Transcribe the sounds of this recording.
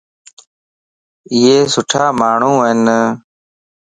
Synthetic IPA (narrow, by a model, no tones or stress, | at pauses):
ɪɦeːsʊʈʰaːmaːɳ̤ũːnə